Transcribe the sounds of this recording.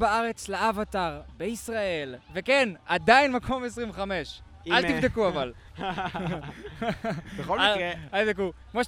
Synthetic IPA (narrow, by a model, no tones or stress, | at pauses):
baaʁe̞t͡slaavat̪aʁbeisʁaelvekenad̪ainmakʰo̞mes̬ʁĩveχameʃ | alt̪ivd̪ekuaval | beoleat̪ivd̪ekukmoʃ